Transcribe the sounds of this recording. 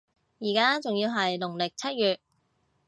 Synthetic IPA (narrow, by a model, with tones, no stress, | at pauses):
jiː˨˩kaː˥t͡sʊ˨ŋjiː˧wɦɐ˨jlʊ˨˩ŋlɪ˨k̚t͡sʰɐ˥t̚jyː˨t̚